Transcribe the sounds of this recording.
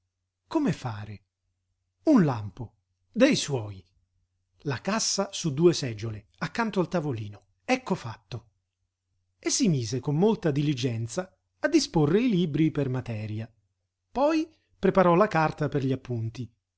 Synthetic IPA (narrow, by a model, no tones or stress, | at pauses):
komefaːɾe | unlampo | d̪ejswɔːj | lakasːasud̪ːuːesɛd͡ʒːole | akːant̪oalt̪avoliːno | ɛkːofat̪ːo | esːimiːzekomːolt̪ad̪ilid͡ʒɛnt̪saː | d̪ːisporːeiliːbɾipermat̪ɛːɾja | pɔj | pɾepaɾɔlakart̪aperʎiapːunt̪i